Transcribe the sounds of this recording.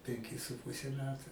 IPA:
pʲɛŋʲˈkʲɪ sʊ ˈpʊsʲɛ ˈmʲæːtʊ

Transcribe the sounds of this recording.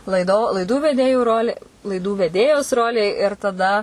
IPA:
lˠɐɪˈdoː lˠɐɪˈduː ʋʲɛˈdʲeːjʊ ˈroːlʲɪ lˠɐɪˈduː ʋʲɛˈdʲeːjoːs ˈroːlʲeː ɪr tɐˈdɐ

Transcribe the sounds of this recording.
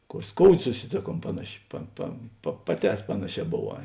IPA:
ˈkoːr ˈskoːʊdʲeː sʊsʲɪˈtʲeːˌkuɔm ˈpɑːnɐˌʃʲɪ pɐ pɐ pɐ pɐˈtʲɛː ˈpɑːnɐˌʃʲɛː boːˈʋɑː

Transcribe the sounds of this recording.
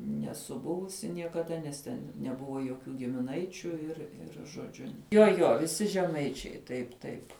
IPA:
nʲɛˈsʊ ˈbʊʋʊsʲɪ nʲiɛkɐˈdɐ nʲɛs ˈtʲɛn nʲɛˈbʊʋoː joːkʲuː ɡʲɪmʲɪˈnɐɪt͡ʃʲʊ ɪr ˈɪr ʒoːˈd͡ʒʲʊ joː ˈjoː ʋʲɪˈsʲɪ ʒʲɛˈmɐɪt͡ʃʲɛɪ tɐɪp ˈtɐɪp

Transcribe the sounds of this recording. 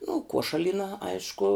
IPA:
nʊ ˈkuɔʃɐlʲiːnɐ ˈɐɪʃkʊ

